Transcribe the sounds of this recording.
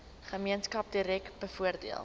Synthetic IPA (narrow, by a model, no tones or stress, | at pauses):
χəmiənskɐp̚diɾɛk̚tbəfuərdḭə̰lˠ